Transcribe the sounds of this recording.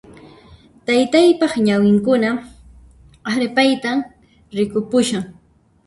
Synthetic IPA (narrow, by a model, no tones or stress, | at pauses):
t̪ajt̪ajpɑχɲawɪŋkʊna | aɾpajt̪am | ɾɪkʊpʊʃaŋ